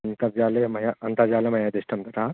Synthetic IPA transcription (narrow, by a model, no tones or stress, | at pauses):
nt̪ɐjaːlemɐjaɐnt̪ad͡ʒaːlemɐjaːd̪eʃʈɐmt̪ɐt̪aː